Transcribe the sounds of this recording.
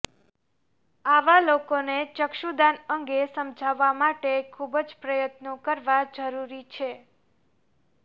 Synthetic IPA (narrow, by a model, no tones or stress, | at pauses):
aʋalokonet͡ʃəkʃud̪anəŋɡesəmd͡ʒʱaʋːamaʈekʰubəd͡ʒpɾəjət̪nokəɾʋad͡ʒəɾuɾit͡ʃʰe